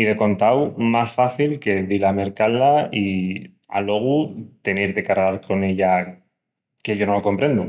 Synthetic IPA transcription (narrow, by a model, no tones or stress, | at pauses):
iðe̞ko̞nt̪awmasfaθilke̞ðilame̞ɾkalai | a̰lo̞ɣ̞ut̪e̞neɾðe̞kaɾɣaɾko̞ne̞ʎa | ke̞ʝo̞no̞loko̞mpɾend̪u